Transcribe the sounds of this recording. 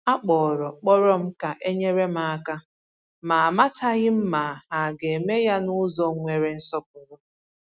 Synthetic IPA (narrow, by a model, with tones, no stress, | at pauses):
a˦k͡pɔː˨ɾɔ˨k͡pɔ˦ɾɔ˦m̩˦ka˨ʔe˦ɲe˦ɾe˦m̩˦a˦ka˦ | ma˨a˨ma˦ta˦ɣɪ˦m̩˦ma˨a˨ɡe˨e˨me˦ja˦nʊ˦zɔ˦ŋʷe˨ɾe˨n̩˦sɔ˦p̚ʊ˨wʊ˦